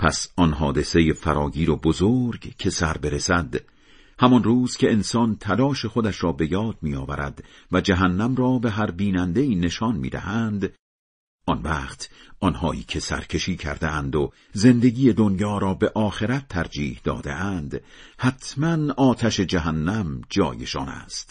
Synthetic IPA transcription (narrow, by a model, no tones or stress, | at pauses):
pʰæsɒnɦɒːd̪e̞se̞jefæɾɒːɟiːɾobozoɾɡcʰe̞sæɾbe̞ɾesæd̪ | hæmɒnruːz̥cʰe̞ensɒːnt̪ʰælɒːʃe̞χod̪æʃɾɒːbe̞jɒːd̪̚miːjɒːvæɾæ̰d̪̥væd͡ʒæɦænːæmrɒːbe̞ɦæɾbiːnænd̪e̞iːne̞ʃɒːnmḭːd̪æ̰hænd̪ | ʔɒnvæːqt̪ʔɒnhɒːʔḭːcʰe̞sæ̰ɾcʰe̞ʃiːkʰæ̰ɾd̪eʔænd̪o | ze̞nd̪e̞ɡiːje̞d̪onjɒːɾɒːbe̞ʔɒːxe̞ɾæt̪ʰːæɾd͡ʒiːhd̪ɒ̰ːd̪e̞̰ʔænd̪hæt̪ʰmænɒːt̪ʰæʃe̞d͡ʒæɦænːæmd͡ʒɒ̰ːje̞ʃɒ̰ːnæ̰st̪